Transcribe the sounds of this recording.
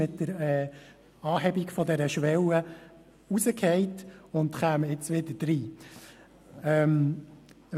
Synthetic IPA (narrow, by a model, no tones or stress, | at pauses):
ɪt̚dəɾɛ | ɑːɦɛbikfɔd̪ɛɾəʃʋɛlə | usəkʰhɛɪtʊnd̪χæːməɪt͡sʋɪd̪əd̥ɾiː | ɛm